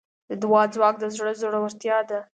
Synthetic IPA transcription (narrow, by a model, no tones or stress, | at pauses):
d̪əd̪wɑd͡zwɑk̚d̪əzɽəzoɽawaɾt̪jɑd̪a